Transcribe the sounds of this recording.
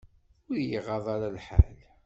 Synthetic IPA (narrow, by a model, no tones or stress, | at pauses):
ʊjiʁɑðˤɑɾalħa̰l